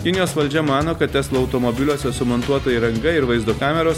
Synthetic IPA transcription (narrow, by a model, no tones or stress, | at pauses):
kʲɪnʲɪjoːsʋɐlʲd͡ʒʲɛmɑːnoːkɐt̪̚t̪ʲæslˠoɐʊt̪omɔbʲɪlʲoːsʲɛsʊmɔnt̪uɔt̪oːjiɾɐŋɡɐɪɾʋɐɪzd̪oːkɑːmʲɛɾoːs